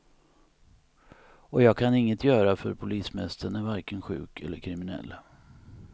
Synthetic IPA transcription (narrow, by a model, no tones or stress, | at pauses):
ɔjɑːɡ̚kʰanɪŋːət̪ʰjœːɾafœ̰ɾpʰʊliːsmɛst̪əɳæɾvæɾkənɧʉ̟̰ːkʰɛ̰lːəɾkʰɾɪmɪnɛ̰lː